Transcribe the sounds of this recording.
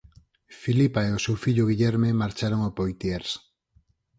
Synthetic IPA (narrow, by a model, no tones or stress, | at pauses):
filipaeosuwfiʎuɣ̞iʎeɾme̞maɾt͡ʃaɾoŋopojt̪ieɾs